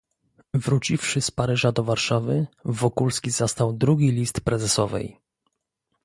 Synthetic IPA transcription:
vɾut͡ɕifʂɘspaɾɘʐad̪ɔvaɾʂavɘvɔkulskʲizast̪awd̪ɾuɡʲilʲist̪pɾɛzɛsɔvɛ̰j

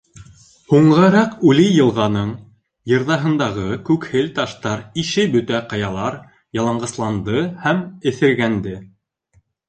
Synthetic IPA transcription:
huɴʁɑɾɑqʉlijɤ̆lˠʁɑnɤɴ | jɤ̆ɾðɑɦɤ̆nd̪ɑʁɤkʉkhɘlt̪ɑʃt̪ɑɾiʃɘbɵ̆t̪æqɑjɑlˠɑɾ | jɑlˠɑɴɢɤ̆slˠɑnd̪ɤhæmɘ̆θɘ̆ɾɡænd̪ɘ

